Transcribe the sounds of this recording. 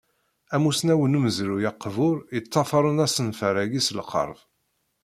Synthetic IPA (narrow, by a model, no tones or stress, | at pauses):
æmusnæwənumzɾujɑqːvʊɾjət͡sːɑfɑɾˤənæsənfəɾæɡislqʰə̰ɾˤv